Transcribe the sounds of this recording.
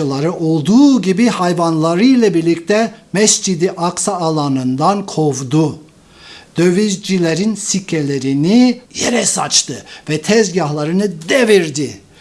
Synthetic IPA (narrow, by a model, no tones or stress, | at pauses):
ɯlˠaɾɯʔo̞lˠd̪uːɟibihajvanlˠaɾɯjlʲˠabiɾlʲic̚t̪ʰɛmɛsd͡ʒid̪iʔaksaːlˠanɯnd̪ankʰo̞vd̪u | d̪̥ø̞vizd͡ʒilʲeɾinsicʰelʲeɾinijeɾɛsat͡ʃt̪ʰɯvɛt̪ʰɛzɟaɦlˠaɾɯnɯd̪eviɾd̪i